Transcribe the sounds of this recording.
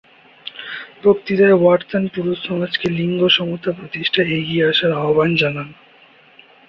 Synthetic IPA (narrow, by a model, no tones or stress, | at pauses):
pɾokt̪iɾaewaʈt̪anpuɾusɔmad͡ʑkeliŋɡoʃɔmut̪ʰːapɾot̪iʃʈʰaeɡieaʃaɾaɦoband͡ʑanan